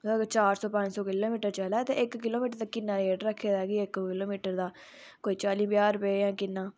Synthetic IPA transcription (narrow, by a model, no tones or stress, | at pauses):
əɡt͡ʃaːɾsɔːpə̃ɲd͡ʒsɔːkɪloːmiːʈəɾt͡ʃəlɛːt̪ḛ̃ːɪkkɪloːmiːʈəɾt̪akɪnːãːeːɖɾəkʰːeːd̪ɦɛːɡiːɪkkɪloːmiːʈəɾd̪aː | koːiːt͡ʃaːliːbɪjaːɾpeːjãːkɪnːaː